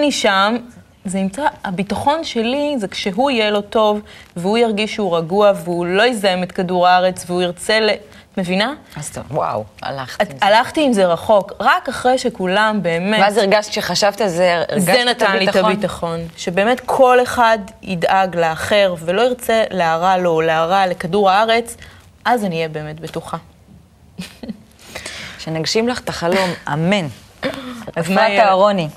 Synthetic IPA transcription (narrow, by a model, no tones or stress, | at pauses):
niʃam | zenimt͡saːbitaχo̞nʃe̞lizekʃeɦuijelo̞to̞vveujaʁɡiʃuʁaɡuaveulo̞jezajemetkaduʁaʁe̞t͡sveuiʁt͡se̞le | me̞vina | aztwa̰wa̰laχalaχtiːmzeʁaχo̞kʁakaχʁejʃekulambe̞ːmevaziʁɡaʃti̥ʃeχaʃavt̪ialzeʁzenat̪anlitabitaχo̞nʃe̞be̞ːmetkʰo̞le̞χadḭdaɡleːχe̞ʁve̞lo̞iʁt͡se̞leaʁalo̞leaʁale̞kaduʁaaʁe̞t͡s | ʔazanijebe̞ːme̞tbetuχa | ʃenaɡʃimlaχt̪aχalo̞mamen | azmajaʁoni